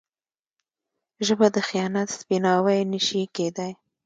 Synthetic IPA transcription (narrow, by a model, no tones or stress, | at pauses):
ʒəbad̪əxijɑnat̪spinɑwajniʃiked̪aj